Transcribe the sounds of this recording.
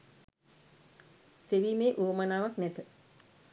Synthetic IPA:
seʋiːmeːʔoːmanaːʋaknɛt̪ə

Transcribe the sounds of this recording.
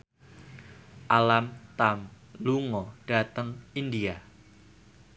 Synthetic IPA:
ʔalamt̪am | luŋɔɖ̥a̤t̪əŋindia

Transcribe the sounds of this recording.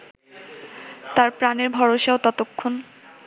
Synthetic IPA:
t̪aɾpɾaneɾbʱɔɾoʃaot̪ɔt̪okʰːon

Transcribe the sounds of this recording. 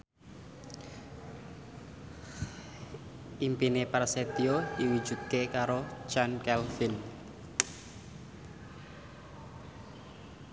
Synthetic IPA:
ʔimpinepɛrset̪iodiwud̥ʒ̥ṳt̪̚kekaɾo̥d͡ʒ̥ankɛlfin

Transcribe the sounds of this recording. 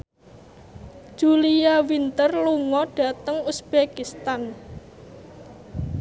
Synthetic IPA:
ʒ̥uliawint̪ərluŋɔɖ̥ä̤t̪əŋusb̥ekist̪an

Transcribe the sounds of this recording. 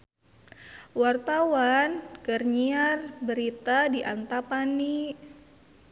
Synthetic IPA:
wart̪awankərɲiarbəɾit̪adiʔa̰nt̪apani

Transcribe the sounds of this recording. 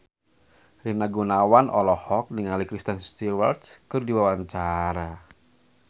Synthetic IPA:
rinaɡunawanʔɔlɔhɔk̚niŋalikɾist̪ənst̪iwart̪skɨrdiwawaɲt͡ʃaɾa

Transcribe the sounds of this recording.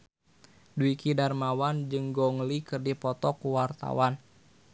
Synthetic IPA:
duikidarmawand͡ʒɨŋɡɔŋlikɨrdipɔt̪ɔkuwart̪a̰wan

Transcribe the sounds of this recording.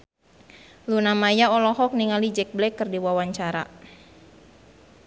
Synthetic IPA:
lunamajaɔlɔɦɔk̚niŋalid͡ʒɛk̚blɛkːərdiwawaɲt͡ʃaɾa̰

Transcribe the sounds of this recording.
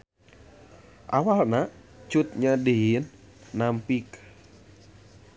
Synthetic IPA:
ʔawalnat͡ʃut̪̚ɲadeɦinːampik

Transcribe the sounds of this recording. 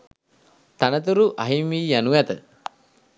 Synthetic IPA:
t̪anət̪uɾuʔaɦimiːjanujat̪ə

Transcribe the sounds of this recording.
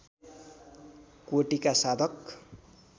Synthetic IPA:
koʈikasad̪ʱʌk

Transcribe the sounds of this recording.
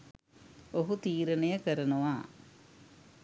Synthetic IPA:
oɦut̪iːɾɐnɐjɐkəɾɐnuʋaː

